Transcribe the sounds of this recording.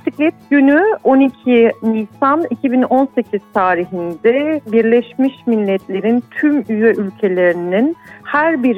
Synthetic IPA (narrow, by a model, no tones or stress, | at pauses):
siclʲɛt̪̚ɟ̥ynyo̞nicʰinijsanicʰibino̞nse̞cʰiz̥t̪ʰaːɾiɦind̪ɛbiɾlʲeʃmiʃmilʲːɛt̪lʲe̞ɾint̪ʰymyjɛʔylʲcʰe̞lʲe̞ɾininhæɾbiɾ